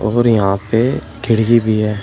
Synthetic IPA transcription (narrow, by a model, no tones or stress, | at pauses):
ɔːɾjɐɦãːpe | ɡʱɪɽɡibʱiɦɛː